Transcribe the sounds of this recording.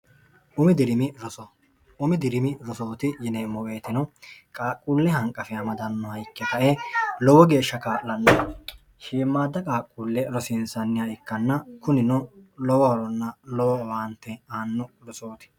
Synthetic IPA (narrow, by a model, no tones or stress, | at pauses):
ʔʊmɪd̪ɪɾɪmɪɾɔsɔ | ʊmɪd̪ɪɾɪmɪɾɔso̞ːt̪ɪjɪneːmːɔwe̞ːt̪ɪnɔkʼaːkʼːuːlːɛhɐŋkʼːɐfɪɐmɐd̪ɐnːɔhɐjkːɛkɐʔelɔwɔɡe̞ːʃːɐkaːʔlɐnːɐ | ʃiːmːaːd̪ːɐkʼaːkʼːuːlːɛɾɔsɪnsɐnːɪjaɪkːɐnːɐkʊnɪnɔlɔwɔhɐɾɔnːɐlɔwɔwaːnt̪ːɛaːnːʊɾɔso̞ːt̪ɪ̥